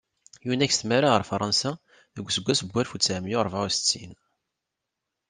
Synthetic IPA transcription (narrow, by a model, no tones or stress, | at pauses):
junæçst̪mæɾaʁəɾfɾˤɑnsa | ðəɡʷːsəɡʷːæsəbʷːælfut͡sːæmjʊɾˤvast͡sːḭn